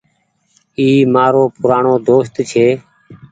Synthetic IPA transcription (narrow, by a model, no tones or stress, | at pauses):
iːmaːɾoːpʊɾaːɳoːd̪oːst̪t͡ʃʰeː